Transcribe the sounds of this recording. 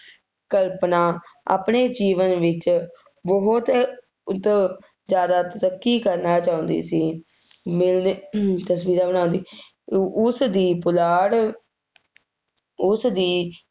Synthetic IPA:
kəlpnaːa̰ːpɳeːd͡ʒiːʋənʋɪt͡ʃ | bəɦʊt̪ | t̪ | zjaːd̪aːt̪əɾəkːiːkəɾnaːt͡ʃaːʊ̃nd̪ḭːsiː | mɪlt̪əsʋiːɾaːbənãːnd̪iː | ʊsd̪iːpʊlaːɽ | ʊsd̪iː

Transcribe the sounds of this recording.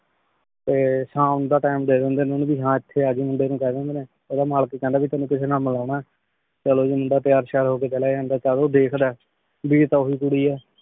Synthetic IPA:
t̪eːsãːʊnd̪aːʈaːɪmɖeːɾɛ̃ːnd̪eːnːʊnbiːɦãːɪt̪ʰːeːaːd͡ʒiːmʊ̃ɳɖeːnũːkɛːɾɛ̃ːnd̪eːnẽː | oːd̪aːmaːlkeːkːɛ̃ːnd̪aːbiːt̪ənũːkɪsʰeːnaːlməlaːʊɳaːɛː | t͡ʃəloːd͡ʒiːmʊɳɖaːt̪ɪjaːɾʃɛːɾɦoːkeːt͡ʃəlaːd͡ʒãːnd̪aːt͡ʃaloːd̪eːkʰd̪aː | biːɾt̪aːʊiːkʊɽiːɛː

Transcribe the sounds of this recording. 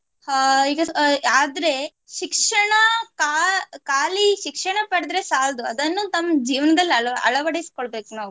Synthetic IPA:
iːɡɐaːd̪ɾe̞ | ʃikʂɐɳɐkaːkaːliʃikʂɐɳɐpɐɽd̪ɾe̞saːld̪uɐd̪ɐnːuːt̪ɐmːɐd͡ʒiːʋɐnɐd̪ɐlːiɐɭɐ̰ɭɐʋɐɽeisi̥koɭbe̞ːkunaːʋu

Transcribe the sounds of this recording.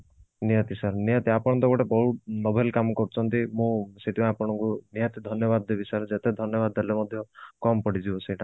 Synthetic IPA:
nijat̪isaɾnijɔt̪iapɔɽ̃ɔnt̪ɔkɔʈebɔɦunɔbʱelkamɔkɔɾut͡ʃʰɔnt̪imũseʈʰibãapɔɽ̃ɔŋkunijat̪id̪ʱɔnjɔbad̪ebisaɾed͡ʒet̪ed̪ʱɔnjɔβad̪elemɔd̪ʱjɔkɔmpɔɽid͡ʒibɔsejʈʰa

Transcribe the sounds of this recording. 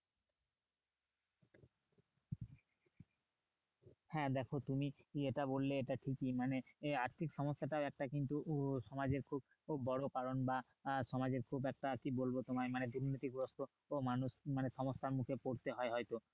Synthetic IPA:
hɛ̃d̪ɛkʰot̪umieʈabolːeeʈaʈʰikimaneaɾt̪ʰikʃɔmosːaʈaɛk̚ʈakint̪uʃɔmad͡ʑeɾkʰubː | ɔɽokaɾonba | ʃɔmad͡ʑeɾkʰubɛk̚ʈakibolbot̪omaemaned̪uɾnit̪ikɾost̪o | omanuʃmaneʃɔmosːaɾmukʰepoɾt̪eɦɔeɦɔjt̪o

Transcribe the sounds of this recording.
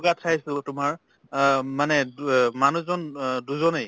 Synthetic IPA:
ɡatʰajsɛltʊmaɹ | manɛmanuzɔnduzɔnej

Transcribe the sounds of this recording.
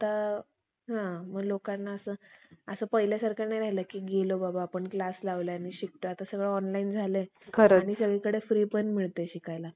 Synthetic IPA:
at̪a | ɦãməɡlokanːaəsəːəsəːpəjlasaɾkanajɾaɦiləkiːɡelobabaːpəɳklaslaʋljaniɕik̚ʈ̪oat̪asəɡɭeɔnlaind͡zʱalekʰəɾaɽ̃isəɡɭekəɽefɾiːpənm̤iɭt̪eɕikajla

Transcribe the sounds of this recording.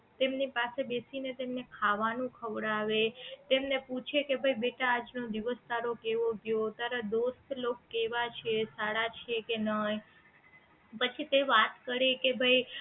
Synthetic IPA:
t̪emnipasebesinet̪emnekʰaʋanũkʰəʋɽaʋet̪emneput͡ʃʰekebʱaibeʈaːd͡ʒnod̪iʋəst̪aɾokeʋoɡjot̪aɾad̪ost̪lokːeʋat͡ʃʰesaɽat͡ʃʰekenəj | pət͡ʃʰit̪eʋat̪kəɾekebʱai

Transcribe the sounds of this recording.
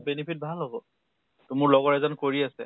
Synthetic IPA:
benipʰit̚bʱalɦɔɡɔ | tʊmʊɹlɔɡɔɹɛzɔnkoɹiasɛ̰

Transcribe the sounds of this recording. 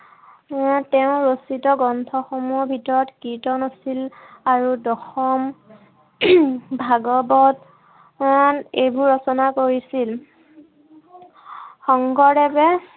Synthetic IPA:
tɛʊ̃ɹositɔɡɔntʰɔxomubʱitɔɹɔtkitɔnosilaɹudɔxɔm | bʱaɡɔbɔt | nejbuɹɔsɔnakoɹisil | xɔŋɡɔɹɛbɛ

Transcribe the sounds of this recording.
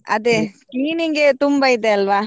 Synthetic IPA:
ɐ̰d̪eskliːniŋɡet̪umbɐid̪eɐlʋaː

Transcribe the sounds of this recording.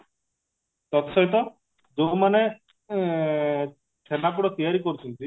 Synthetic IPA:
t̪ɔt̪ɔsɔɦit̪̬ɔ | d͡ʒomane | sʰenak̬uɽɔt̪ijaɾikoɾut͡ʃʰɔnt̪i

